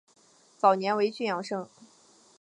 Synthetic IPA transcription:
t͡sɑ˨˩ʊnjɛ˧˥nwe˧˥ɪt͡ɕy˥˩jɑ˨˩ŋʂɤ˥˩ŋ

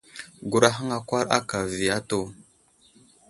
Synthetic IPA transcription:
ɡu˨ɾa˦ɦə˦ŋa˨kʷa˦ɾa̰˦ka˨vi˨ja˦to˦˨

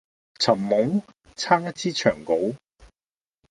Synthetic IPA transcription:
t͡sʰɐ˨˩mːʊ˨˥ŋ | t͡sʰaː˥ŋjɐ˥t̚t͡sʰiː˥t͡ʃʰœː˨˩ŋko˨˥w

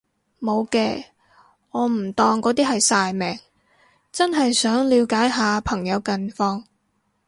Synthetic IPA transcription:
mo˨˧wkɛː˧ | ŋɔː˨˧m̩˨˩t̪ɔː˧ŋkɔː˨˥t̪iː˥ɦɐ˨jsaː˧jmɛː˨˩ŋ | t͡sɐ˥nɦɐ˨jsœː˨˥ŋliː˨˧wkaː˨˥jɦaː˨˧pʰɐ˨˩ŋjɐ˨˧wkɐ˧nfɔː˧ŋ

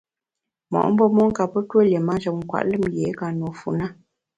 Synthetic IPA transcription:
mɔ̰˨ʔm̩˦bɔ˦mɔ˦ŋ̩˦ka˨pə˦twə˦˨le˨ma˦nt͡ʃə˨ŋ̩˨kwa̰˨ʔlɨ˦˨mje˨˦ka˨no˨fu˨na˦˨

